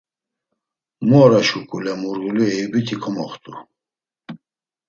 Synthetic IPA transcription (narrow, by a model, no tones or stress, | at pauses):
mɔːɾaʃukʼulɛmuɾɣuluɛjubit̪ʰikʰɔmɔχt̪ʼṵ